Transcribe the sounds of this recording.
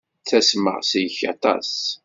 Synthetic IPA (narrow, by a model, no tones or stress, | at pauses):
θæsmə̰ʁsijəçɑ̰t̪ˤɑ̰s